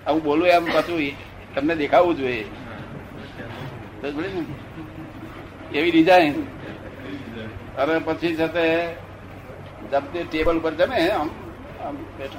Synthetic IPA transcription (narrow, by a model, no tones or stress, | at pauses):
əũɓoːlũɦeəmpat͡ʃʰu | t̪əmned̪eːkʰaʋũd͡ʒoe | t̪obi | eʋiɾid͡ʒaɪn | əɾepət͡ʃʰisat̪e | d͡ʒəmt̪eʈeːbəlupəɾd͡ʒəmẽɦəm | əmbeʈʰ